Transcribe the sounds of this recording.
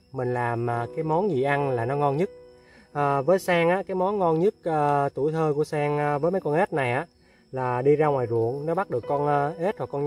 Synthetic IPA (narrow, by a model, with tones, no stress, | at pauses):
mï˨˩ŋ̟laː˨˩maː˨˩kaː˨˦jmɔ˨˦nzi˨˩ʔa˧nlaː˨˩nɔ˨˦ŋɔ˧nɲɨ˦˥t̚ | ʔəː˧˩vəː˨˦jsaː˧ŋʔaː˨˧˥kaː˨˦jmɔ˨˦nŋɔ˧nɲɨ˦˥t̚əː˧t̪u˧˩˨jt̪ʰəː˧ku˧˩əsaː˧ŋː˧vəː˨˦jma˨˦jkɔ˧nʔe˦˥t̚na˨˩jʔaː˨˧˥ | laː˨˩ɗi˧zaː˧ŋwaː˨˩jzṵ˧˨ənnɔ˨˦ɓa˦˥t̚ɗɨ˨˩əkːɔ˧nː˧ʔe˦˥t̚hwa˨˩kːɔ˧nɲ